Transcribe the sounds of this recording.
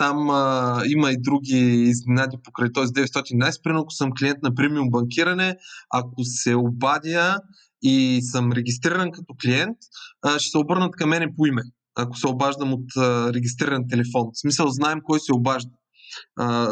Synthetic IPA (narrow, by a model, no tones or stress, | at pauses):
t̪amimɐid̪ɾuɡʲiːzninad̪ipokɾəjt̪ɔjzid̪ɛvɛt̪st̪ɔt̪ind̪najspɾiɛnkʊ̥sɤmklʲiɛnt̪̚nɐpɾimiumbɐŋkʲiɾɐnɛakosɛobad̪ʲjə | isəmɾɛɡʲist̪ɾiɾənkɐt̪ɔkliɛnt̪ːʃɛ̥sɛobɤɾnət̪kɐmːɛnɛpoimɛ | ɐko̥sɛobaʒd̪əmot̪əɾɛɡʲist̪ɾiɾɐnt̪̬ɛlɛfɔnsmisəlˠznaɛmkɔjsɛobaʒd̪ə